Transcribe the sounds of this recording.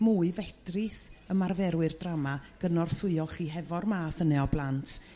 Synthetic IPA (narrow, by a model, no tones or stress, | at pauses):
muːɨvɛdrɨsəmarvɛɾwɨrdramaɡ̥ənɔrsʊɨɔlˠχiːɦɛvɔrmaːθənɛɔblˠantʰ